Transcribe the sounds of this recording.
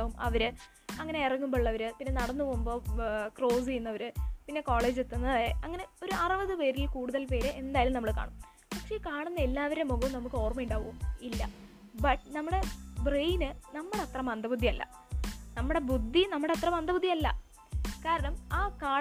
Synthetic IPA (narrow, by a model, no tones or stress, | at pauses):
aːʋumɐ̰ʋɐɾɨ | ɐŋːɐne̞irɐŋːumboɭːɐʋɐɾɨpinːenɐɽɐnːɨpoːumbo̞ːkro̞ːsijunːɐʋɐɾɨpinːe̞ko̞ːɭe̞ːd͡ʑet̪ːunːɐðaːjeʔɐŋːɐne̞o̞ɾuɐrɨʋɐðɨpeːɾilkuːɽuðɐlpe̞ːɾɨʔe̞nd̪aːjalumnɐmːɐɭka̰ːɳum | pɐkʂe̞kaːɳunːɐelːaːʋɐɾemoɣɐʋumnɐmukːɨo̞ːrmɐjuɳɖaːʋɐʋumilːɐ | bɐʈ̚nɐmːuɽe̞brejnɨnɐmːuɽeɐt̪rɐmɐnd̪ʱɐbud̪ʱːiɐlːɐ̰ | nɐmːuɽe̞bud̪ʱːinɐmːuɽe̞ɐt̪rɐmɐnd̪ɐbud̪ːiɐlːɐ̰ | kaːɾɐɳɐmaːkaː